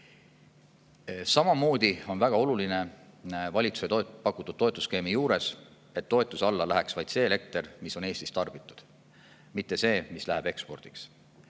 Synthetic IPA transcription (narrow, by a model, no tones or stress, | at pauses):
sɑmɑmo̞ːd̪̥io̞nvæɡ̥ɑo̞luline̞vɑlʲit̪su̥set̪opɑkːˑut̪ːˑud̥̪̚o̞et̪ːˑuske̞ːmijuːɾe̞s | e̞t̪ːo̞e̞t̪ːˑusɑlːɑlæɦæksvɑjd̪se̞ːele̞k̚t̪e̞rmiso̞ne̞ːst̪ist̪ɑrb̥it̪ːˑu̥d̪̥ | mit̪ːe̞se̞ːmislæɦæb̥e̞kspo̞rd̪̥iks